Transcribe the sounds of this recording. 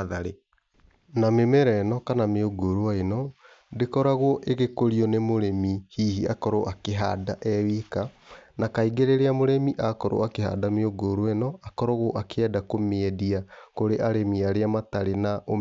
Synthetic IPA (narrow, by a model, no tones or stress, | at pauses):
ðaɾe | namemɛɾɛnɔkanameoɡoɾwaenɔ | dekɔɾaɣwɔʔeɣekoɾiɔnemoɾemihiːhiakɔɾoʔakeɦa̰daʔɛwikanakaiɡeɾeɾeamoɾemiʔakɔɾo̰akeha̰dameoɡoɾoenɔakɔɾɔɣoʔakɛdakomeɛdiakoɾeʔaɾemiaɾeamataɾenaʔo